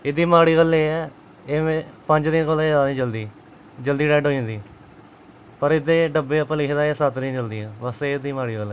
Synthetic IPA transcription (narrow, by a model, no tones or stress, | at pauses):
ɪd̪iːmaːɽiːɡəlːeːɛː | eːẽpəɲd͡ʒd̪ɪnkolaːaːnĩːd͡ʒəld̪iː | d͡ʒəld̪iːɖɛːɖɦoːĩnd̪iː | pəɾɪd̪eːɖəbeːəpːə̃ːlɪkʰd̪aːsat̪ɾĩd͡ʒəld̪ijãːʋəsed̪iːmaːɽiːkəlɛ